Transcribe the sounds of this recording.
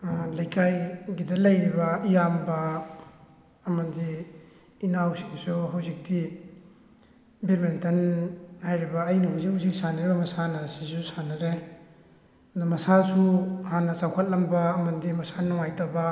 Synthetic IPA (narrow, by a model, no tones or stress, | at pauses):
lɐjkʰajɡidɐlɐjɾibɐijambɐ | mɐndiː | nawsiŋsuɦawzik̚di | biɾmentɐnhajɾibɐːjnuɦawzik̚hawzik̚saniɾibɐmɐsanɐsisusanɐɾe | damɐsasuhanɐsawkʰɐt̚lɐmbaːmɐndimɐsanɔŋajtaba